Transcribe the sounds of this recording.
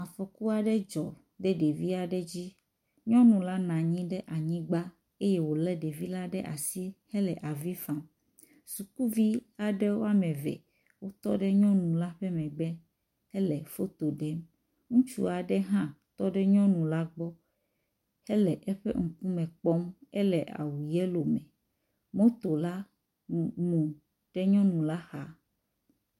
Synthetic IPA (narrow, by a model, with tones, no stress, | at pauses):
a˨fɔ˨ku˦a˨ɖɛ˦d͡ʒɔ˨ | ɖɛ˦ɖe˨vi˦a˨ɖe˦d͡ʑi˦ | ɲɔ̃˦nũ˨la˦nã˨ɲĩ˦ɖɛ˦ʔa˨ɲĩ˦ɡ͡ba˦ | e˦je˦wo˨lɛ˦ɖe˨vi˦la˦ɖɛ˦ʔa̰˨si˦hɛ˦lɛ˨ʔa˨vi˦fa˨m | su˨ku˦vi˦a˨ɖɛ˦wo˦a˦mɛ̃˨vɛ̰˨ | wo˦t̪ɔ̰˦ɖe˦ɲɔ̃˦nũ˨la˦ɸɛ˦mɛ̃˨ɡ͡bɛ˦ | ɛ˦lɛ˨fo˦t̪o˨ɖɛ˦m | ŋũ˦t͡ʃṵ˦a˨ɖɛ˦ɦã˦t̪ɔ˦ɖɛ˦ɲɔ̃˦nũ˨la˦ɡ͡bɔ˦ | hɛ˦lɛ˨ʔɛ˦ɸɛ̰˦ŋ̩˨ku˦mɛ̃˨k͡pɔ˦mɛ˦lɛ˨ʔa̰˨wu˨jɛ˦lo˨mɛ̃˨ | mõ˦t̪o˨la˦ | mũ˨ | ɖ̥ɛ˦ɲɔ̃˦nũ˨la˦xa˦